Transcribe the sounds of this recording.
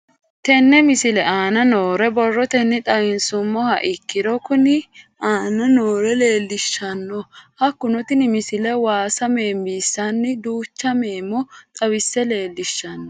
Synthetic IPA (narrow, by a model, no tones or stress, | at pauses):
t̪ɛnːɛmɪsɪlɛaːnɐnoːɾɛbɔrːɔt̪ɛnːɪt̪ʼɐwɪnsʊmːɔhɐ̰ʔɪkːɪd̪ɔkʊnɪ | aːnɐnoːɾɛle̞ːlːɪʃːɐnːɔhɐkːʊnɔt̪ɪnɪmɪsɪlɛwaːsɐme̞ːmbiːsːɐnːɪd̪uːt͡ʃːɐmeːmːɔt̪ʼɐwɪsːɛle̞ːlːɪʃːɐnːɔ